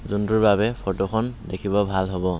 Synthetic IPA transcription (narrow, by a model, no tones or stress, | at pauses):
zunduɹbaβɛpʰɔtɔkʰɔndekʰibɔbʱalɦobɔ